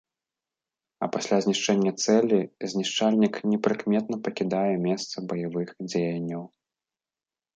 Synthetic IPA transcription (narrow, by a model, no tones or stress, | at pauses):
ɐ̰pasʲlʲazʲnʲiʂt͡ʂɛnʲːɐt̪sɛlʲizʲnʲiʂt͡ʂalʲnʲiknʲɛpɾɨkmʲɛt̪nɐpɐkʲid̪ajɛmʲɛst̪sɐbɐjavɨxd͡zʲejɐnʲːɐw